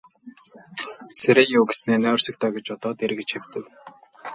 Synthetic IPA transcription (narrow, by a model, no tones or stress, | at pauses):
seɾejoːɡesneːnæːwrsə̆k̚t̪ʰœːɡʲĕt͡ɕʊt̪ɔːt̪eɾ̆ɣɘ̆t͡ɕxew̥ʲt̪ɘ̆w